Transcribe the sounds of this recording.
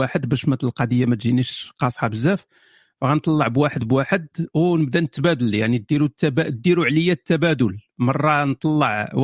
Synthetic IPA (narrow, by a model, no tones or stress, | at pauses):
aħəd̪bæʃmæt̪əlqɑd̪əjːamæt̪ʒiniʃqɑsˤħɑbəzːæf | fɣænt̪ˤɑlˤːɑʕbwaħəd̪bwaħəd̪wnəbd̪ænət̪ːbæd̪əljaʕnid̪iɾut̪ːæbæd̪iɾuʕləjːæt̪ːæbæd̪ʊlmɑrˤːɑnt̪ˤɑlːɑʕ